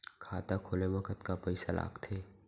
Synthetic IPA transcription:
kʰaːt̪akʰoːlemɐkʰət̪kapɐɪsala̰ːkt̪ʰeː

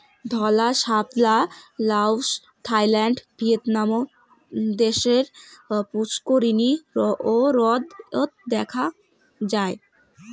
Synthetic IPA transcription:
d̪ʱɔlaʃaplalawʃ | t̪ʰajlaɳɖbʱiet̪namo | d̪eʃeɾput͡ɕkoɾinioɾɔd̪ot̪̚d̪ɛkʰa | d͡ʑae

